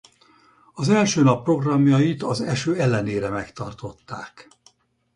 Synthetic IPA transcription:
ɒzɛlʃøːnɒpːro̞ɡrɒmjɒjit̪ɒzɛʃøːɛlːɛneːɾɛmɛkt̪ɒrt̪o̞t̪ːaːk

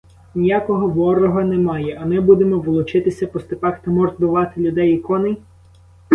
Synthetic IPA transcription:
nʲijakɔɦɔʋɔrɔɦɔnɛmɑjɛɐmɪbud̪emɔʋʊlˠʊt͡ʃɪt̪ɪsʲɐpɔst̪ɪpɑxt̪ɐmɔrt̪bʊʋɑt̪ɪlʲʊd̪ɛjikɔnɪ

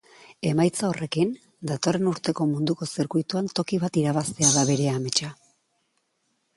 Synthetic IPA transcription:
e̞majt͡sao̞rʔe̞kin | d̪at̪o̞re̞nuɾt̪e̞ko̞mund̪uko̞seɾkujt̪uant̪o̞kiβat̪iɾaβast̪eaðaβe̞ɾe̞ame̞t͡ʃa

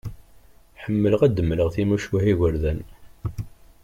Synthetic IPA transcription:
ħəmːələʁæd̪əmːləʁθimuʃwæhiʝəɾðæn

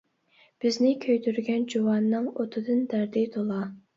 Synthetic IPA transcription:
b̥ɪznɪkʲʰøjt̪ʰyɾɡʲɛnd͡ʒowɑnːɨŋot̪ʰɨd̪ɨnd̪æɾd̪ɪt̪ʰolˠɑ

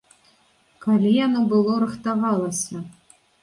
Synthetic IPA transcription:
kalʲijanɔbɨlˠɔɾɨxt̪avɑlˠɐsʲɐ

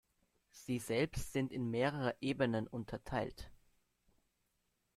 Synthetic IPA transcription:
z̥iːzɛlpstz̥ɪntɪnmeːʁəʁəʔeːbənənʔʊntʰɐtʰaɪlt

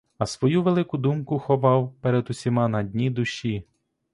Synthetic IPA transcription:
ɐsʋɔjuʋelˠɪkʊd̪umkʊxɔʋɑwpɛɾed̪ʊsʲimɑnɐdʲnʲid̪ʊʃʲi

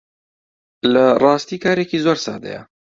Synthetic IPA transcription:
lɐrˤɑːst̪iːkʰaːɾekiːzoːɾsɑ̰ːd̪ɐ̰jɐ̰

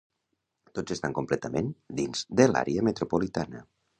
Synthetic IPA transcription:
t̪od͡zest̪aŋkumplɛt̪əmend̪inz̥d̪əla̰ɾeəmət̪ɾopolit̪anə

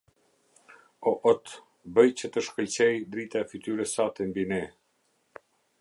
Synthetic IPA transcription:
ɔʔɔt̪ | bəjt͡ɕət̪əʃkəlt͡ɕɛjd̪ɾit̪aɛfyt̪yɾəsat̪ɛmbinɛ

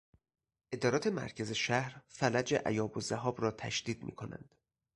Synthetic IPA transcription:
ʔe̞d̪ɒːɾɒːt̪ʰe̞mæ̰ɾcʰæze̞ʃæhɾfælæd͡ʒeʔæ̰jɒːbozæɦɒːbɾɒːt̪ʰæ̰ʃd̪̥iːd̪̚mḭːkʰonæ̰nd̪̥

